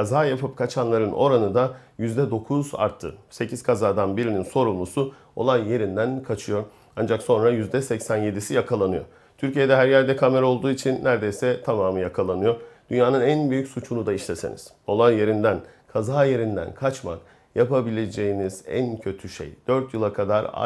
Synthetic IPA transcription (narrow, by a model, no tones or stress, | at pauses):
kʰazaːjapʰɯp̚kʰat͡ʃʰanlˠaɾɯnʔo̞ɾanɯd̪ajyzd̪ɛd̪o̞kʰuza̰ɾt̪ʰːɯ̰se̞cʰiz̥kʰazaːd̪anbiɾininso̞ɾulˠusu | o̞̰lˠajje̞ɾind̪ænkʰat͡ʃʰɯjo̞ɾ | and͡ʒakso̞nɾajyzd̪ɛsɛcsænjed̪isijakʰalˠanɯjo̞̰ | t̪ʰyɾcije̞d̪ɛɦæɾjæɾd̪ɛkʰame̞ɾɛo̞lˠd̪uːit͡ʃʰinːæɾd̪e̞jsɛt̪ʰamaːmɯjakʰalˠanɯjo̞ɾd̪̥ynjaːnɯnænbyjycʲsut͡ʃʰunud̪aiʃlʲese̞̰nḭz̥ | o̞lˠanje̞ɾind̪ænkʰazaːje̞ɾind̪æ̰nkʰat͡ʃma̰k̚ | japabilʲe̞d͡ʒe̞jiniz̥æ̰ncʰø̞t̪ʰyʃḛjd̪̥øɾt̪jɯlˠakʰad̪aɾa̰